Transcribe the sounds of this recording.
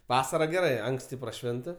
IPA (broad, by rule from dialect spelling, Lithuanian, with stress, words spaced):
ˈʋɑːsɐrɐ ɡʲɛˈrɐɪ ˈɐŋksʲtʲɪ prɐˈʃʲʋʲɪntɐ